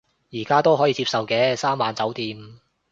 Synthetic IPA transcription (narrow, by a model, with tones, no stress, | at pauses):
jiː˨˩kaː˥t̪o˥wɦɔː˨˥jiː˨˧t͡siː˧p̚sɐ˨wkɛː˧saː˥mːaː˨˧nt͡sɐ˨˥wt̪iː˨˧m